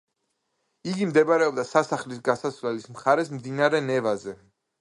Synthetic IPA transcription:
iɡimd̪ɛbaɾɛɔbd̪asasaχlisɡasasvlɛlismχaɾɛsmd̪inaɾɛnɛvazɛ

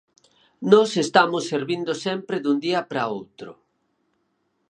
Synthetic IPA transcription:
nɔsest̪amʊsːeɾβind̪osɛmpɾeðund̪iɐpɾaowt̪ɾʊ

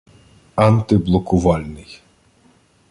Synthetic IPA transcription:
ant̪ɪblˠɔkʊʋɑlʲnɪj

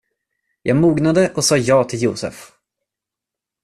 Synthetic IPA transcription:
jʔɑːɡmuːɡnad̪əʔɔsɑːjɑːt̪ʰɪljṵːsə̰f

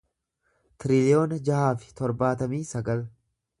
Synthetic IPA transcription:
t̪ɪɾɪlɪoːnɐd͡ʒɐhaːfɪ̥t̪ɔɾbaːt̪ɐmiːsɐɡɐl

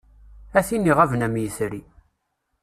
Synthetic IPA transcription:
æθinːiʁævnæmjəθɾi

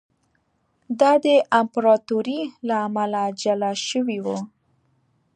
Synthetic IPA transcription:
d̪ɑd̪əʔampɾɑt̪uɾilaːmalad͡ʒalaʃəwiwu

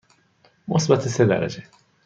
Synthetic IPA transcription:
mosbat̪ʰesed̪æ̰ɾæ̰d͡ʒe

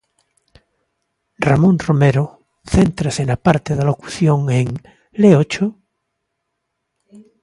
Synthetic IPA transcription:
ramõnromeɾo | θent̪ɾasenapaɾt̪eðaloku̥θjoŋeŋ | leot͡ʃo

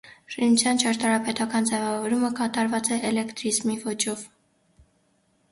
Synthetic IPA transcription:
ʃinut͡sʰjɑnt͡ʃʰɑɾt̪ɑɾɑpɛt̪ɑkɑnd͡zɛvɑvɔɾuməkɑt̪ɑɾvɑt͡sɛʔɛlɛkt̪ɾizmivɔt͡ʃʰɔv

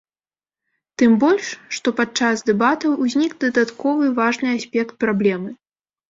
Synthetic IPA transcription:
t̪ɨmbɔlʲʂːt̪ɔpat͡ʂazd̪ɛbat̪ɐwuzʲnʲikd̪ɐd̪at̪kɔvɨvaʐnɨasʲpʲɛkt̪̚pɾablʲɛmɨ

